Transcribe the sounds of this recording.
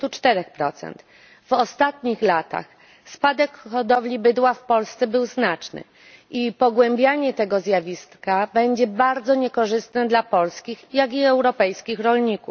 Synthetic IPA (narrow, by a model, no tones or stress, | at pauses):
t̪ut͡ʂt̪ɛɾɛxpɾɔt̪sɛ̰nt̪ | vɔst̪at̪̚ɲixlat̪a̰x | spad̪ɛkxɔd̪ɔvlʲibɘd̪wafpɔlst̪sɛbɘwznat͡ʂnɘ̰ | ʔipɔɡwɛmbʲjaɲɛt̪ɛɡɔzʲjavʲist̪kabɛɲd͡ʑɛbaɾd̪zɔɲɛkɔʐɘst̪nɘd̪lapɔlskʲixjaɡʲiɛwɾɔpɛjskʲixɾɔlɲikuf